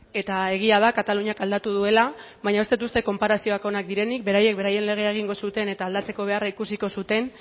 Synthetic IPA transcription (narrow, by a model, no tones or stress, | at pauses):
e̞t̪ae̞ɣ̞iaðakat̪aluɲakald̪at̪uð̞ue̞la | βaɲae̞st̪et̪ust̪e̞ko̞mpaɾasio̞ako̞nak̚d̪iɾe̞nik̚be̞ɾaje̞k̚be̞ɾaje̞nle̞ɣ̞e̞aeɣ̞iŋɡo̞sut̪e̞ne̞t̪aːld̪at͡se̞ko̞β̞e̞araikusiko̞sut̪e̞n